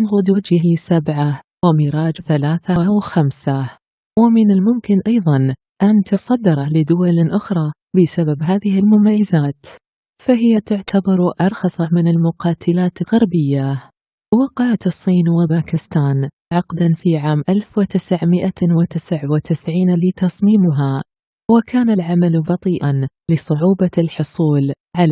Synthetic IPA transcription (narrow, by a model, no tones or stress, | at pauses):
nɣʊd̪ud͡ʒɪlɪsabʕa | wɪmiːɾɑːd͡ʒθalaːθawxamsa | wɪmɪnɪlmʊmkɪnʔɑjðˤɑn | ʔant̪ʊsˤɑd̪ːɪɾˤɑlɪd̪ʊwalʔʊxɾˤɑː | bɪsababɦaːðɪhɪlmʊmajːɪzaːt̪ | faɦɪjːat̪ʊʕt̪ʰabɑɾˤʔɑɾˤxɑsˤɑmɪnɪlmʊqɑːt̪ʰɪlaːt̪ɪlɣɑɾbɪjːa | wɪqɑʕat̪sˤːiːnwɪbaːkɪst̪aːn | ʕɑqd̪anfiʕaːmʔalfwɪt̪ɪsʕmɪʔawɪt̪ɪsʕwɪt̪ɪsʕiːnlɪt̪ɑsˤmiːmʊɦa | wɪkʰaːnalʕamalbɑt̪ˤiːʔan | lɪsˤʊʕuːbalħʊsˤuːl | ʕal